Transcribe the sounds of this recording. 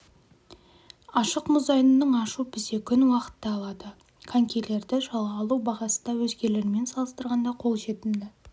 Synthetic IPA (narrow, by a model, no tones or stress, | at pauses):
ɑʃəqmʊzɑjnənəɴɑʃupʰɪse̞kʲʰʏnwɑqə̥t̪ːɑːlˠɑd̪ə | kʰaŋkʲele̞ɾd̪ɪʒɑlˠʁɑːlˠuwbɑʁɑsənd̪ɑwɵzɡʲe̞le̞ɾɪme̞nsɑlˠəst̪əɾʁɑnd̪ɑqʰo̞lˠʒe̞t̪ɪnd̪ɪ